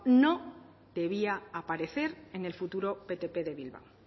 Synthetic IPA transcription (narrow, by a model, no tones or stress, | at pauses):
no | d̪̥e̞β̞iaːpaɾe̞θe̞ɾe̞ne̞lfut̪uɾo̞pe̞t̪e̞pe̞ðe̞βilβa̰w